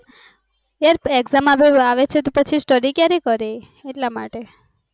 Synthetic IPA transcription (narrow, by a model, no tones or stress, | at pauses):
jaɾeɡzamaʋeaʋet͡ʃʰet̪opət͡ʃʰisʈəɾikjaɾekəɾe | eʈlama̰ʈe